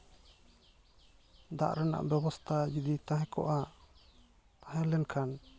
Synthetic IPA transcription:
d̪a̰ʔɾɛna̰ʔbɛbɔst̪ʰad͡ʒid̪it̪ãɦɛ̃kɔ̰ʔa | t̪aɦɛ̃lɛnkʰan

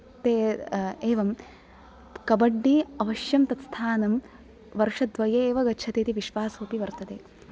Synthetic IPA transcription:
t̪eːeːʋɐm | kɐbɐɖːiɐʋɐʃjɐmt̪ɐt̪st̪ʰaːnɐm | ʋɐɾʂɐd̪ʋɐjeːʋɐɡɐt͡ʃʰɐt̪eːt̪iʋiʃʋaːsuːpiʋɐɾt̪ɐd̪eː

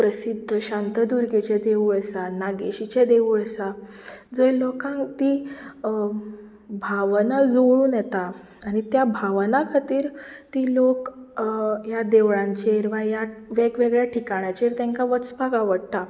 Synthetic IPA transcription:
pɾəsid̪ʱːəɕãnt̪əd̪uɾɡet͡ɕed̪eʋuɭsanaɡeɕit͡ɕed̪eʋuɭsa | d͡zəjlokãŋt̪i | bʱaʋnad͡zoɭuːnjɛt̪aː | ɽ̃it̪jabʱaʋnakʰat̪iːɾt̪iːlok | jad̪eʋɭãɲt͡ɕeɾʋajaʋeɡʋeɡɭjaʈʰikaɳjat͡ɕeɾt̪ãŋkaʋəsbaɡaʋəɽt̪a

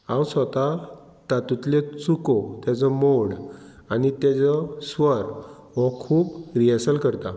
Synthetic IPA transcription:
ãwsɔt̪a | t̪at̪ut̪let͡sukɔt̪jat͡sɔmoɽ | anit̪jat͡sɔsʋəɾ | ʋɔkʰuːpɾiəsəlkəɾt̪a

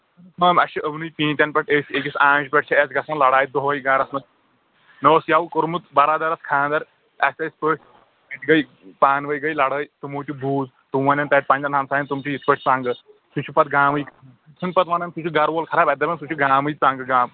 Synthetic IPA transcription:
ɐːmɐʃʰiʔəʋnujpĩːnt̪ʲɐnpɐʈesʲekisãːpɐʈ̚t͡ʃʰɐɐsɡɐsanlɐɽaːj̪̚d̪oɦojɡaːɾɐsmɐt̪̚ | nɐʋsjaʋkoɾmut̪bɐɾaːd̪ɐɾɐskʰãːd̪ɐɾ | ɐsʲɐsʲpəːʈ | ɐt̪ʲɡɐj | paːnʋɐjɡɐjlɐɽəːjt̪umowt̪ibʱuːz | t̪uʋɐnʲɐnt̪ɐʈ̚pand͡ʒɐnaːmsaːint̪umt͡ʃʰijit̪pɐʈ̚ʰt͡sãːŋɡɐ | sut͡ʃʰipɐt̪̚ɡaːmɨjkʰ | sʰɨnpɐt̪ʋaːnɐnsut͡ʃʰiɡɐɾʋoːlkʰɐɾaːbɐd̪ɐbʲɐnsut͡ʃʰiɡaːmɨjt͡sãːŋɡɐɡaːm

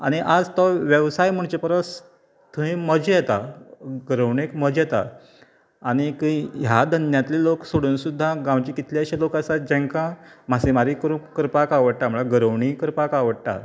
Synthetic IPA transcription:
aɽ̃iʔad͡zt̪ɔʋjəʋsajm̤əɳt͡ɕepəɾəs | t̪ʰuɦĩməd͡ʑjet̪aɡəɾəʋɳekməd͡ʑjet̪a̰ː | ɽ̃ikĩjad̪ʱənjat̪liloksoɽuːnsud̪ʱːaɡãwt͡ɕikit̪ljaɕalokasat̪̚d͡ʑẽŋkãm̤asemaɾikəɾũkəɾpakaʋəɽt̪am̤əɭaɡəɾəʋɳikəɾpakaʋəɽt̪a̰

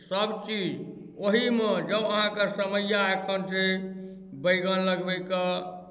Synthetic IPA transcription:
səbt͡ʃid͡ʒ | oɦimed͡ʒəbəɦãkesəməjaekʰənt͡ʃe | bəjɡənləɡbəjkə

